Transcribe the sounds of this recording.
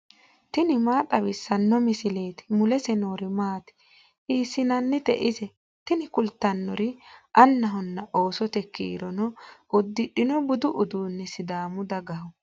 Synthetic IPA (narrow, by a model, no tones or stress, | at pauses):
t̪ɪnɪmaːt̪ʼɐwɪsːɐnːɔmɪsɪle̞ːt̪ɪ̥mʊlɛsɛno̞ːɾɪmaːt̪ɪ̥ | ʔiːsːɪnɐnːɪt̪ɛ̰ʔɪzɛ | t̪ɪnɪkʊlt̪ːɐnːɔɾɪʔɐnːɐɦɔnːɐʔo̞ːsɔt̪ɛkːḭːɾɔnɔʔʊd̪ːɪᶑɪnɔbʊd̪ʊʔʊd̪uːnːɛsɪd̪aːmʊd̪ɐɡɐhɔ